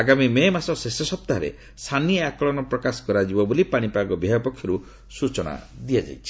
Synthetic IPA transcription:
aɡamimemasɔsesɔsɔp̚t̪aɦɾḛ | st̪ʰaniakɔɭɔnɔpɾɔkasɔ̥kɔɾad͡ʒibɔbolipaɽ̃ipaɡɔbʱjɦajɔpɔkʰjɔɾu | sut͡ʃɔɽ̃a̰d̪iad͡ʒa̰jt͡ʃʰi̥

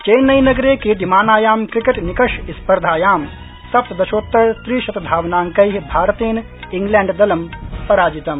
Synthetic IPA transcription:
t͡ʃɐjnːɐjnɐɡɾeːkid̪imaːnaːjaːmkɾikɐʈnikɐʃispɐɾd̪ʱaːjaːm | sɐp̚t̪d̪ɐʃoːt̪ːɐɾst̪ɾiːʃɐt̪ɐd̪ʱaːʋnaːŋkɐjɦibʱaːɾɐt̪eːn | iŋɡlɛːɳɖd̪ɐlɐmpɐɾaːd͡ʒit̪ɐm

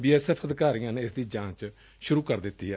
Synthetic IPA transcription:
biːɛːsɛːpʰəd̪ɪkaːɾɪŋənːɪsd̪iːd͡ʒãːt͡ʃ | ʃʊɾuːkəɾd̪ɪt̪ːḭːɛː

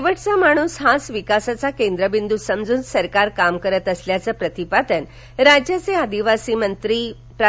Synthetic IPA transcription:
ʋəʈt͡samaɽ̃uːsɦasʋikasat͡sakend̪ɾəbind̪usəmd͡zuːnsəɾkaɾkamkəɾət̪əsljat͡səpɾət̪ipad̪ən | ɾad͡ʑjat͡sead̪iʋasiːmənt̪ɾi | pɾ

